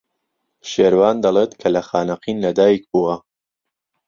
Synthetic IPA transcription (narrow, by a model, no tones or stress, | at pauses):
ʃeːɾwaːnd̪ɐlˠet̪kʰɐlɐxaːnɐqinlɐd̪aːjik̚buwɐ